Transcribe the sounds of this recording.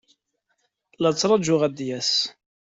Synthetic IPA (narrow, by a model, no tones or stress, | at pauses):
lɑt͡sːɾˤɑd͡ʒʊʁæd̪jæs